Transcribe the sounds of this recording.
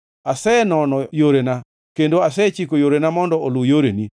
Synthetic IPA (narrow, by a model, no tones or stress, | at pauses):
asɛnɔnɔjoɾena | kendoasɛt͡ʃikojoɾenamɔndɔʔolujoɾeni